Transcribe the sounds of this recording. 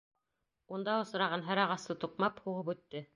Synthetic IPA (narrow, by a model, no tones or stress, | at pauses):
und̪ɑŏsɤ̆ɾɑʁɑnɦæɾɑʁɑst̪ɤt̪uqmɑphuʁɤpʉt̪ːɘ